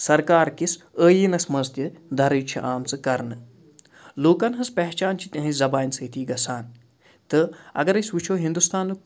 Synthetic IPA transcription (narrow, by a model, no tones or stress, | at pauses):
sɐɾkaːɾkis | əːjinɐsmɐzt̪ʰjid̪ʱɐɾɨt͡ʃʰḭʔaːmt͡sɨkɐɾnɨ | loːkɐnɦɐspɛɦt͡ʃaːnt͡ʃʰi̥t̪ʲɐ̃ɦĩzɐbaːnsəːt̪ʰiːɡɐsaːn | t̪ɨɐ̰ɡɐɾɐsʋit͡ʃʰoːɦĩnd̪ust̪ʰaːnːɨ